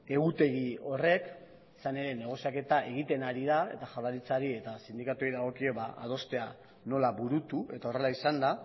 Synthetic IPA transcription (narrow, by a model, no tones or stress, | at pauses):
e̞ɣut̪e̞ɣio̞re̞k | isane̞ɾe̞ne̞ɣ̞o̞siake̞t̪aʔe̞ɣ̞it̪e̞naɾiðae̞t̪aʝaðaɾit͡saɾie̞t̪asind̪ikat̪uiðaɣ̞o̞kieβaa̰ð̞o̞st̪e̞a | no̞laβuɾut̪ue̞t̪ao̞re̞laisand̪a